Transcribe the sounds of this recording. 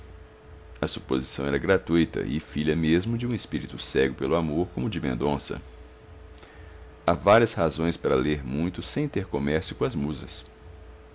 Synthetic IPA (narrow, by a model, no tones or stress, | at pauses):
ɐsupozisɐ̃w̃ɛɾɐɡɾat̪ujt̪ɐ̰ʔɪfiʎɐmezmʊd͡ʒɪũespiɾit̪ʊsɛɡʊpelʊamoɾkõmʊd͡ʒɪmḛ̃nd̪õsɐ̰ | avaɾiɐshazõj̃spaɾɐleɾmũj̃t̪ʊsẽj̃t̪eɾkomɛɾsjʊkõɐzmuzɐ̰s